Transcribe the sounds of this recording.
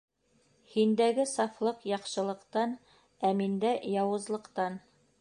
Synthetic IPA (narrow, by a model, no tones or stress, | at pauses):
hind̪æɡɘsɑflˠɤqjɑqʃɤ̆lˠɤ̆qt̪ɑn | æmind̪æjɑwɤ̆zlˠɤ̆qt̪ɑn